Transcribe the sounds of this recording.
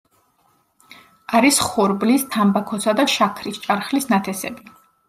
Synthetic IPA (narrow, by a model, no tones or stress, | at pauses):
aɾisχɔɾblist̪ʰambakʰɔsad̪aʃakʰɾist͡ʃʼaɾχlisnat̪ʰɛsɛ̰bi